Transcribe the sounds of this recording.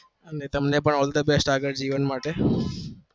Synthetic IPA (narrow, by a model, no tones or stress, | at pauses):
ənet̪əmnepəɳɔːld̪əbesʈaːɡəɽd͡ʑiːʋənmaːʈe